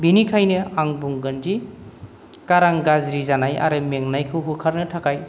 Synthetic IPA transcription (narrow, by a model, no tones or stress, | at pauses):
binikʰajnɯaŋbuŋɡənd͡ʒi | kaɾaŋɡazɾizanaja̰ɾɯmeŋnajkʰɯwɦukʰaɾnɯtʰakaj